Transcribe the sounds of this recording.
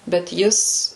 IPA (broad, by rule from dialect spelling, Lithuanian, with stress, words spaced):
bʲɛt ˈjɪs